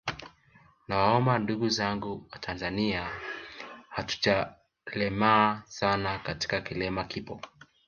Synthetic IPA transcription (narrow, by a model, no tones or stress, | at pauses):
nawaɔmbanduɡuzaŋɡuwatʰanzania | hatu̥t͡ʃa | lɛmaːsanakati̥kakilɛmakipɔ